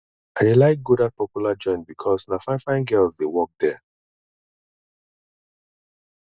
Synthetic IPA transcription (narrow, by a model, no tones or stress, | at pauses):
aɪdelaɪk̚ɡudat̚pɔpjulad͡ʒɔ̃ɪ̃nbikʰɔsnafãɪ̃nfãɪ̃nɡɛlzdewɔk̚d̪̥ɛ